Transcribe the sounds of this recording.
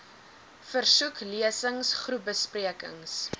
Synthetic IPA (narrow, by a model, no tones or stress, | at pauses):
fərsukliəsəŋsχrup̚bəspriəkə̰ŋs